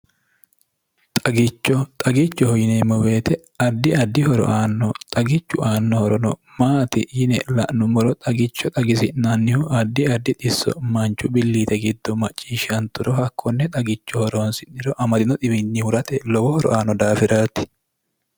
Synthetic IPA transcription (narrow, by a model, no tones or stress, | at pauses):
t̪ʼɐɡɪt͡ʃːɔt̪ʼɐɡɪt͡ʃːɔhɔjɪnemːɔbe̞ːt̪ɛ | ɐd̪ːɪɐd̪ːɪhɔɾɔ̰ʔaːnːɔt̪ʼɐɡɪt͡ʃːʊʔaːnːɔhɔɾɔnɔ | maːt̪ɪjɪnɛ̰lɐ̰ʔnʊmɔɾɔt̪ʼɐɡɪt͡ʃːɔt̪ʼɐɡɪsɪʔnɐnːɪhʊʔɐd̪ːɪɐd̪ːɪt̪ʼɪsːɔ̰mɐnt͡ʃːʊbɪlːiːt̪ɛɡɪd̪ːɔmɐt͡ʃʼːiːʃɐnt̪ʊɾɔɦɐkʰːɔnːɛt̪ʼɐɡɪt͡ʃːɔhɔɾoːnsɪnːɪɾɔʔɐmɐd̪ɪnɔt̪ɪbɪnːɪhʊɾɐt̪ɛlɔwɔhɔɾɔ̰ʔaːnːɔd̪aːfɪɾaːt̪ɪ̥